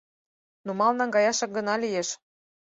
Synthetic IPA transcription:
numɑlnɑŋɡɑjɑʃɑk̚ɡə̆nɑlijeʃ

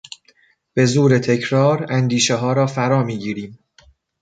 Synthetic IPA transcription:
b̥e̞zuːɾe̞t̪ʰe̞cʰɾɒːɾænd̪iːʃeɦɒːɾɒːfæɾɒːmiːɟiːɾiːm

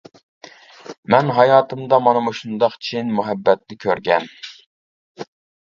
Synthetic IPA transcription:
mɛnɦɑjɑːt̪ʰɨmd̪ɑmɑnɨmuʃund̪ɑqt͡ʃʰinmuɦɛbːɛt̪̚nɪkʲʰøɾɡʲɛn

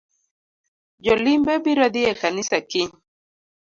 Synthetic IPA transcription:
d͡ʒɔlimbɛbiɾad̪iɛkanisakɪ

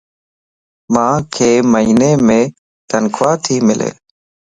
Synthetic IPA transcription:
mãːkʰeːməɦiːneːmẽː | t̪ənkʰʋaːt̪ʰiːmɪlʔḛː

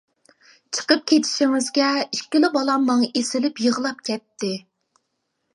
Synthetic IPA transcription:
t͡ʃʰə̥qəp̚kʲʰet̪ʰɪ̥ʃiŋɪzɡʲɛiʃkʲːilɪbɑlˠɑmːɑŋesɪlɪpjəʁlˠɑp̚kʲʰɛt̪ːɪ

